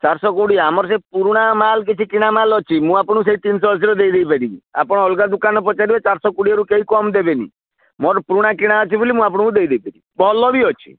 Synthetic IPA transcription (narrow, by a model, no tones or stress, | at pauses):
t͡ʃaɾsɔkuɽiamɔɾs̬epuɾuɽ̃amalk̬it͡ʃʰikiɽ̃amalɔt͡ʃʰimũapɽ̃ũs̬eɦit̪ins̬ɔbɔs̬iɾɔd̪ejd̪ejpeɾibia̰pɔɽ̃ɔɦɔlɡad̪ukanɔp̬ɔt͡ʃaɾibet͡ʃaɾsɔkuɽiɔɾukeikɔmd̪ebenḭ | mɔɾpuɾuɽ̃akiɽ̃aɔt͡ʃʰibulimũap̬ɔɽ̃ukũd̪ejd̪eipeɾibɔlɔbiɔt͡ʃʰi̥̰